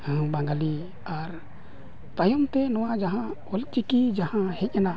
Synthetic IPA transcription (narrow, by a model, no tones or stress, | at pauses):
hbãŋɡali | aɾ | t̪ajɔmt̪ɛnɔwad͡ʒaɦã | ɔlt͡ʃikid͡ʒahãhɛt̪̚ˀjɛna